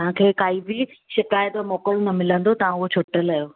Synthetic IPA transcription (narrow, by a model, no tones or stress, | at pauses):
t̪ɦãkʰeːkaːibʱiʃɪkaːɪt̪omɔːkəlnɐmɪlə̃nd̪ot̪ɐʋ̤ãʊɦot͡ɕʰoːʈəlɐjoː